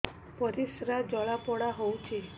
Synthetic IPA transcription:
pɔɾisɾad͡ʒɔɭapɔɽaɦowt͡ʃʰe

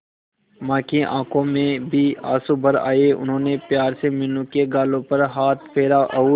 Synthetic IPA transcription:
mãːkiʔã̰ːkʰõmẽbʱia̰ːsubɐɾa̰ːeʔʊ̰nɦõːnepjaːɾsemɪnũkeɡaːlõpɐɾɦaːt̪̚ʰpʰeːɾaʔɐuː

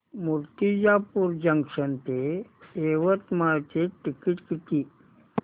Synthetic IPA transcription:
muɾt̪id͡ʑapuɾd͡ʑəŋkʂənt̪eeʋət̪maɭt͡ɕeʈikiʈkit̪i

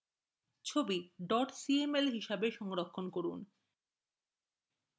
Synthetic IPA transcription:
t͡ɕʰobiɖɔʈsiemelɦiʃabeʃɔŋɾokʰːonkoɾun

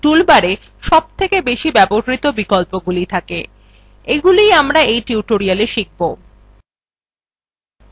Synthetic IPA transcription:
ʈulbaɾe | ʃɔb̚t̪ʰekebeʃibɛboɾɾit̪obikolpoɡulit̪ʰake | eɡulijamɾaejʈiuʈoɾialeʃik̚bo

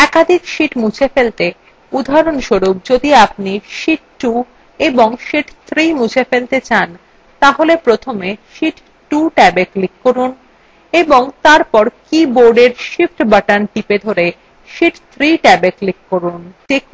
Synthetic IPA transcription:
ɛkad̪ʱikʃiʈmut͡ɕʰefelt̪e | ud̪ʱaɾonʃoɾub̚d͡ʑod̪iap̚niʃiʈʈu | eboŋʃiʈt̪ʰɾimut͡ɕʰefelt̪et͡ɕan | t̪aɦolepɾot̪ʰomeʃiʈ | ʈuʈɛbeklikːoɾun | eboŋt̪aɾpɔɾkiboɾɖeɾʃifʈbaʈanʈiped̪ʱoɾe | ʃiʈt̪ʰɾiʈɛbeklikːoɾunʈik̚

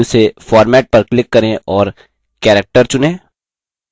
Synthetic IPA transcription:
ʊsefɔːɾmɛːʈ̚pɐɾklɪkːɐɾẽʔɔːɾ | kɛːɾək̚ʈəɾt͡ʃʊnẽː

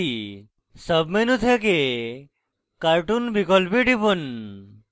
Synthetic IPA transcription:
i | səbmenũt̪ʰek̬e | kaɾʈunbikɔlpiʈipən

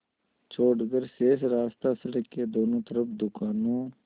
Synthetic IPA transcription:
t͡ʃʰoːɖɡəɾseːsɾaːst̪aːsəɽəkːed̪oːnõːt̪əɾəpd̪ʊkaːnõː

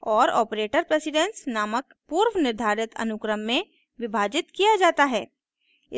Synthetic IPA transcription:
ɔːɾɔ̰ːpɾeːʈəɾpɾesɪɖɛ̃nsnaːmək | puːɾʋnɪɾd̪ʱaːɾɪt̪ɐ̰nʊkɾəmːẽ | ʋɪbʱaːd͡ʒɪt̪kijad͡ʒaːt̪aɦɛː | ɪ

